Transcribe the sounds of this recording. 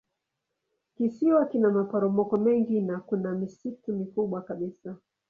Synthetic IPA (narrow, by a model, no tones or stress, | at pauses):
kisiwakinamapaɾɔmɔkɔmɛŋɡinakunamisitumikuɓwakaɓisa